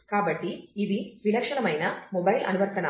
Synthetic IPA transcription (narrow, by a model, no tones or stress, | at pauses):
kaːbɐʈːiːd̪iʋinɐkʂɐɳɐmɐjnɐmobɐjlɐ̰nuʋɐɾt̪ɐɳɐ